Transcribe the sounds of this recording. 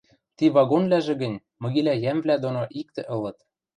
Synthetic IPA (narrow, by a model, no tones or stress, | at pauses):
t̪iβɑɣonvlæʒĕɡə̆nʲ | mɤ̆ɣilæjæmvlæd̪onoʔik̚t̪ɘ̆ʔɤ̆lɤ̆t̪